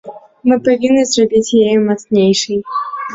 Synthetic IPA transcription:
mɨpɐvʲinːɨzrɐbʲit͡sʲjejmɐt̪snʲejʂɨj

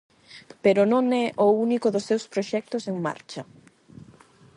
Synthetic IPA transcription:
peɾʊnõŋɛʔounikʊðʊsːewspɾoʃɛk̚t̪ʊseŋma̰ɾt͡ʃɐ

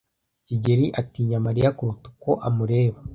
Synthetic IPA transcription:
ciɟeɾiʔatiɲamaɾijakuɾutu̥koʔamuɾe̞ːβa

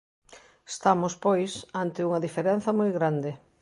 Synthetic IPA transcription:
est̪amʊspojsant̪ɪuŋɐðifeɾen̟θɐmojɣɾand̪ɪ

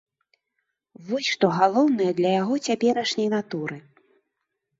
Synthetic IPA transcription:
vɔsʲʂt̪ɔɣalˠɔwnɨjɐd̪lʲɐjaɣɔt͡sʲapʲɛɾɐʂnʲɐjnat̪uɾɨ

